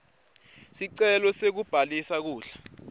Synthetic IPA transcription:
siǀɛlɔsek̬ub̥ʱalisak̬uːɬḁ

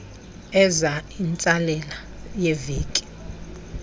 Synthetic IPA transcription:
ɛzaint͡sʼalɛla | jeviːkʼi̥

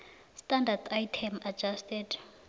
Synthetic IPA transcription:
standat̪ʰajtʰɛmad͡ʒastɛd

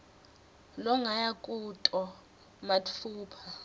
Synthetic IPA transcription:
lɔŋʱajakʼutʼɔ | mauːpʰa

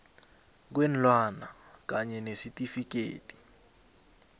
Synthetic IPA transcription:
k̬wen̩lwanakaɲɛnesitʼifikḛːtʼi̥

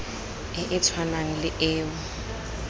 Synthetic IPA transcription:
ɪʔɪt͡sʰwanaŋ̩lɪʔɪːʊ

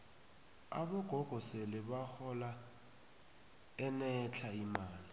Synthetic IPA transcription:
a̰ɓɔɡ̥ʱɔɡ̥ʱɔselɪɓaxɔla | ɛnɛt͡ɬʰaimaːli

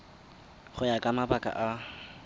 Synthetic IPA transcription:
χʊjakʼamabakʼa̰ʔa

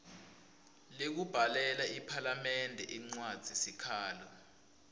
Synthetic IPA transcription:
lek̬ub̥ʱalɛlaipʰalamɛndʱɛ̰ʔiŋ͡ǀwad̥z̥ʱisikʰaːlɔ

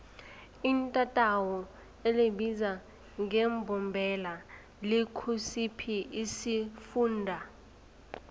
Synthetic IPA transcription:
intʼatʼawɔ | elebiza | ŋɛmbʱɔmbʱɛla | likʰusipʰiisifuːndʱa

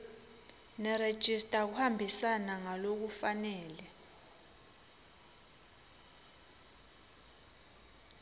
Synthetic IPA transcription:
nɛred̥ʒ̥ʱistʼak̬uhambʱisanaŋalok̬ufanɛːlɛ

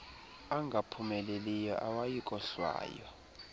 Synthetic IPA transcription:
aŋɡʱapʰumɛlelijɔ̰ʔawajikʼɔɬwa̰ːjɔ

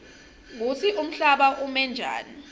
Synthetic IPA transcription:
ŋut͡sʰiʔum̩ɬaɓaʔumɛnd͡ʒʱa̰ːni

